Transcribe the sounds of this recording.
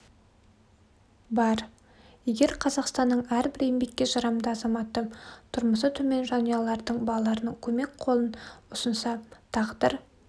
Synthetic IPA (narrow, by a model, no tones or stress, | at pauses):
bɑɾ | je̞ɡʲe̞ɾqʰɑzɑqst̪ɑnːəɴæɾbɪɾembe̞kʲːe̞ʒɑɾɑmd̪əɑzɑmɑt̪ət̪ʰʊɾməsət̪ʰɵme̞nʒɑnijɑlˠɑɾd̪əɴbɑlˠɑlˠɑɾənəɴkʲʰɵme̞k̚qʰo̞lˠənʊsənsɑt̪ʰɑʁd̪əɾ